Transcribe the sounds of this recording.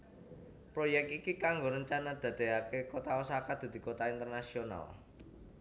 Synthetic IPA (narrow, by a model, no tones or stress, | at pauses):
pɾojɛk̚t̪ikikaŋɡoɾəɲt͡ʃanad̪̥ä̤d̪̥e̤akekot̪awəsakad̪̥a̤d̪̥i̤kot̪aint̪ərnasiona̰l